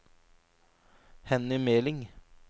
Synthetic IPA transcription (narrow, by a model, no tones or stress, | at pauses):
hɛnɪmeːlɪŋ